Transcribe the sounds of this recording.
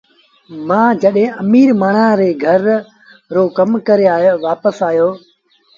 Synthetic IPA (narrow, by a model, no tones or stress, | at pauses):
mãːd͡ʒəɗɦẽəmiːɾmaːɳãːɾeːɡʱəɾː | oːkəmkəɾeaːʋaːpəsaːjoː